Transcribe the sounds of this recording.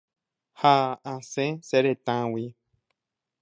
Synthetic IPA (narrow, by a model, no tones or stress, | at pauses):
haãsẽseɾet̪ãwi